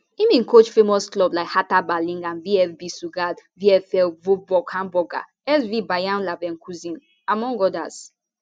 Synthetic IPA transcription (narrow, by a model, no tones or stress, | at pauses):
ĩmĩnkot͡ʃfemɔsklɔblaɪkhatabalĩŋɡãnviɛfbisuɡadviɛfɛlvobɔkhãmbɔɡa̰ | ɛsvibajãnlavɛ̃nkʰuzĩn | amɔ̃ŋɡɔda̰z